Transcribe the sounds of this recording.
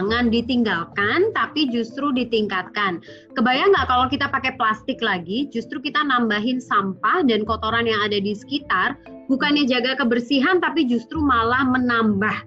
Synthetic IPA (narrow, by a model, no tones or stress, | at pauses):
ŋandit̪iŋɡalkant̪apid͡ʒust̪ɾudit̪iŋkat̪̚kan | kəbajaŋɡaʔkalawkit̪apakɛplast̪ɪklaɡid͡ʒust̪ɾukit̪anambaɦɪnsampahdankot̪oɾanjaŋadadisə̥kit̪ar | bukanjad͡ʒaɡakəbərsiɦant̪apid͡ʒust̪ɾumalahmənambah